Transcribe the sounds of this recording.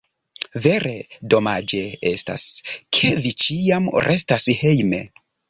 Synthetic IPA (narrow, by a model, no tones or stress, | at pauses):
ve̞ɾe̞do̞mad͡ʒe̞e̞sta̰skʰe̞vit͡ʃiamɾʔe̞stashejme̞̰